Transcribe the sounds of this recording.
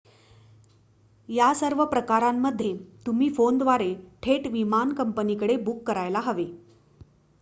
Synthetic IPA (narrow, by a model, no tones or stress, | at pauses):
jasəɾʋəpɾəkaɾamːəd̪ʱːjet̪um̤iːfond̪ʋaɾeʈʰeʈʋimankəmpənikəɽebukːəɾajlaɦəʋe